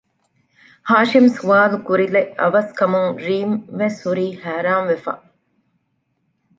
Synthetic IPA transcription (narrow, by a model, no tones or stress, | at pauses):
haːʃimsuʋaːlukuɾileʔɐ̰ʋɐskɐmuŋɾiːmʋeshuɾiːhæːɾaːmʋefɐ̰